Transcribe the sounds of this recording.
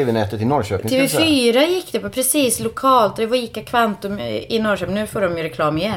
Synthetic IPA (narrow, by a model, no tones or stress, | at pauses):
evɛnɛt̪ət̪ɪnɔɾɕøːtɪŋʰɛvɛfyːɾajɪkːd̪ɛpʰopʰɾɛsiːslʊkʰɑːlt̪ɛvikːakʰvant̪ʊmɪnɔɾʃœmnʉ̟ːfoːɖɔmjʏɾɛkʰlɑːmɪjɛn